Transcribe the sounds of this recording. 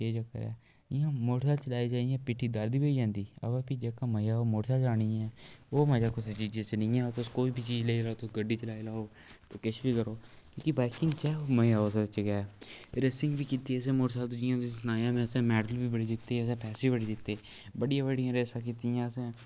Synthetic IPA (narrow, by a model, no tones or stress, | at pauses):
eːd͡ʒəkːə̰ɾɛ̰ː | ɪjãːmoːɽsaːt͡ʃəlaːiːd͡ʒaːijãːpɪʈʰːiːd̪əɾd̪iːbeid͡ʒãːnd̪iːə̰ʋãːpid͡ʒeːkãːməjaːoːmoːɽsaːd͡ʒaːɽ̃iːɛːoːmɛ̃ːd͡ʒaːkʊst͡ʃiːd͡ʒẽːt͡ʃənĩːɛ̃ːt̪ʊskoːiːbʱiːt͡ʃiːd͡ʒleiːlaːoːt̪ʊsɡəɖiːt͡ʃəlaːilaːoː | t̪oːkɪʃʰbiːkəɾoː | koːkibaːkɪ̃ŋɡt͡ʃɛːoːməjaːoːst͡ʃəɡaːɛːɾesɪ̃ŋɡbiːkiːt̪iːəs̬ẽːmoːɾsaːlt̪ʊd͡ʒɪjãːt̪ʊ̃sənaːjãːmɛ̃ːəsɛ̃ːmɛːɖəlbiːbəɽiːd̪ɪt̪ːeːəsɛ̃ːpʰɛːsiːbəɽiːd̪ɪt̪ːeː | bəɽɪjãːʋəɽɪjãːɾeːsãːk̬iːt̪iːãːəsɛ̃ː